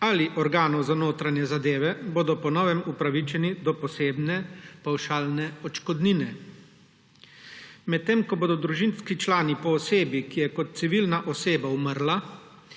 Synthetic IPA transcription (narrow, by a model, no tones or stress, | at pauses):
aliʔɔɾɡaːnɔwzanoːt̪ɾanjɛzad̪eːʋɛboːd̪ɔpɔnɔːʋɛmupɾaʋit͡ʃɛnid̪ɔpɔseːbnɛpawʃaːlnɛɔt͡ʃkɔd̪ninɛ | mɛt̪ːeːmkɔboːd̪ɔd̪ɾuʒinskit͡ʃlaːnipɔːseːbikijɛkɔt̪̚t̪siʋilnaʔɔseːbauməɾla